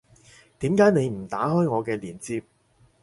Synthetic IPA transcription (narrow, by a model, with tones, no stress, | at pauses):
t̪iː˨˥mkaː˨˥jne˨˧jm̩˨˩t̪aː˨˥hɔː˥jŋɔː˨˧kɛː˧liː˨˩nt͡siː˧p̚